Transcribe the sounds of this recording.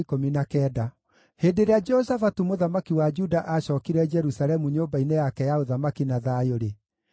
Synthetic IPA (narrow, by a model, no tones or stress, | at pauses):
ikominakɛːda | heːdeɾead͡ʒɛɔsafatumoðamakiwad͡ʒudaʔaɕɔːkiɾɛd͡ʒɛɾusalɛmuɲoːmbainejakɛjaoðamakinaðaːjoɾe